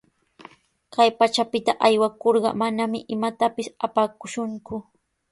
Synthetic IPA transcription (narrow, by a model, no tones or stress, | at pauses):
kajpat͡ʃapɪt̪aʔajwakoɾɢɑ̰manamɪʔɪmat̪apɪsapakʊʃʊŋkʊ